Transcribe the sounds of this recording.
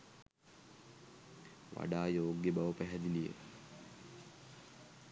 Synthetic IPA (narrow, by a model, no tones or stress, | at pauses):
ʋa̰ɖaːjoːɡjəbaʋəpæɦɛd̪ilijə̰